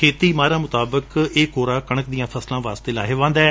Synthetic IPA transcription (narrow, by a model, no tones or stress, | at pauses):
kʰeːt̪iːmaːɾaːmʊt̪aːbəkeːkoːɾaːkəɳəkd̪ɪjãːpʰəslãːʋaːst̪eːlaːɦeːʋãːnd̪aɛ